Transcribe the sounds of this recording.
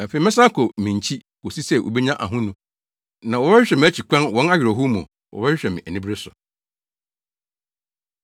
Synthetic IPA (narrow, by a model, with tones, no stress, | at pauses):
ɛ˨fe˨i˨mɪ̃˦sã˦kʰo˨mĩ˨ɲ˨t͡ɕʰi˦ | ko˨si˦sɛ˦˨ʔo̰˨be˦ɲã˦ʔa̰˨ɦʊ̃˦nũ˦ | nã˨wɔ˨˦bɛ˦ɕᶣɛ˨mɪ̃˨æ˦t͡ɕʰi˨kʷʰã˦nwɔ̃˦na˦ɥᶣɪ˨ɾo˨ɦu˦mũ˨ | wɔ̰˨bɛ˦ɕᶣɛ˨mɪ̃˨ʔæ˨nĩ˦bɾe˦sʊ˨